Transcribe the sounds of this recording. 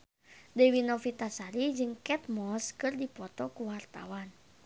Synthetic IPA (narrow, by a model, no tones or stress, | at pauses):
dɛwinɔfit̪asaɾid͡ʒɨŋkɛt̪̚mɔskɨrdipɔt̪ɔkuwart̪a̰wan